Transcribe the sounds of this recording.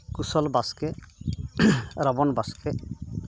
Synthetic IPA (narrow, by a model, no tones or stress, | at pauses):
kusɔlbaske | ɾɔbɔnbaskʰe